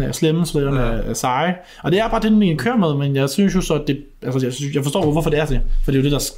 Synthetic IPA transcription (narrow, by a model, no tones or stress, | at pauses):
æsleməsɔlɒnææsɑ̈ɪ | ɒ̽d̥e̝æɐb̥ɑ̈ːd̥enːinkʰøɐ̰með̩ˠmenjɑ̈ɪsynsjosɒ̽d̥e̝ | ʔælsəjaɪsjɑ̈ɪfɒstɔ̰ːʋʋɒfɒ̽d̥e̝æɐd̥e̝fɒ̽d̥e̝jo̝d̥e̝d̥ɑ̈s